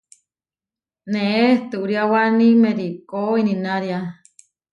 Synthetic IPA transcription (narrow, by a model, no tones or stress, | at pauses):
neet̪ɨuɾiawanimeɾikoininaɾja